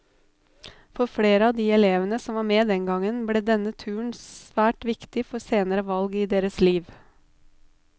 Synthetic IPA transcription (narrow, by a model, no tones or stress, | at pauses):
fɔɾfɽeːɾəɑd̪iːɛleːʋənəsɔmʋɑːɾmeːd̪ɛŋɡɑŋənblɛd̪ɛnət̪ʰʉːɳsʋæːʈʋɪkt̪ɪfɔɾseːnəɾəʋɑlɡiːd̪eːɾəsliːʋ